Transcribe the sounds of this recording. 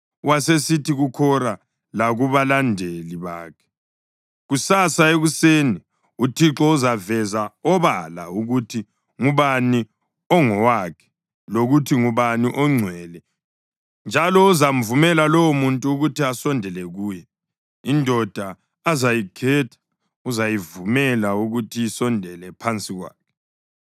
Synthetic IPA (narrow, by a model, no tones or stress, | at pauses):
wasesitʰiɣukʰɔra | laɣuβalandʱeliβa̰ːkʰɛ̥ | ɣusasaeɣuseni | utʰiǁɔuzavɛzaɔβala̰uɣutʰi | ŋuβani | ɔŋɔwakʰɛ̥ | loɣutʰiŋuβaniʔɔŋ͡ǀʱwɛlɛ | nd͡ʒʱalɔuzam̩vumɛlalɔwomuntʼuːɣutʰiasɔndʱɛlɛɣuːjɛ | indʱɔd̥ʱaː | zajikʰɛtʰḁ | uzajivumɛlauɣutʰijisɔndʱɛlɛpʰant͡sʼiɣwa̰ːkʰɛ̥